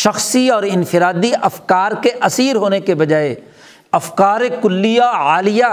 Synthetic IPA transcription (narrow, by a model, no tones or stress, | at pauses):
ʃɐxsiɔːɾɪnfɪɾaːd̪iʔɐfkaːɾkeʔɐsiːɾɦoːnekebɐd͡ʒaːe | ɐfkaːɾekʊlːijaaːlɪja